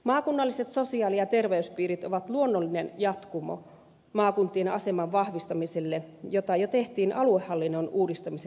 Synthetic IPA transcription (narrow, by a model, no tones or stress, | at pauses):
mɑːkunːɑlːiset̪sosiɑːlijɑt̪erʋeyspiːɾit̪oʋɑt̪luonːolːinenjɑt̪kumo̰ | mɑːkunt̪ːˑienɑ̰semɑʋʋɑhʋist̪ɑmiselːejot̪ɑjot̪eht̪iːnʔɑluehːɑlːinːonuːdist̪ɑmise